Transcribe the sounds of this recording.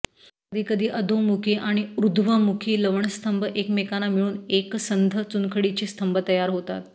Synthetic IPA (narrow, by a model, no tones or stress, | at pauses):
kəd̪ʱiːkəd̪ʱiːʔəd̪ʱomukʰeʔaɽ̃iɾud̪ʱʋəmukʰiːləʋɳəst̪ʰəmbəʔekmekanamiɭuːneksənd̪ʱət͡sunkʰəɽit͡ɕest̪ʰəmbət̪əjaɾɦot̪a̰t̪